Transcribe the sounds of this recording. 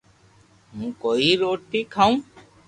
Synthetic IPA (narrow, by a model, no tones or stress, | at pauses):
mũːkoːiɾoːʈikʰaũː